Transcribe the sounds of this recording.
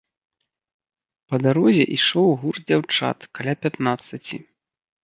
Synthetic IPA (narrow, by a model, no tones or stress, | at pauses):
pɐd̪aɾɔzʲɛ̰ʔiʂɔwɣurd͡zʲawt͡ʂa̰t̪kalʲapʲat̪nat̪sːɐt͡sʲḭ